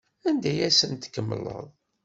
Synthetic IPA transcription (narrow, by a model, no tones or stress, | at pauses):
ænd̪æjæsənt̪kːəmːələ̰ðˤ